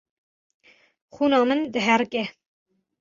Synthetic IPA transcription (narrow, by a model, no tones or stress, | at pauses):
χuːnɑːmɨnd̪əɦɛɾkɛ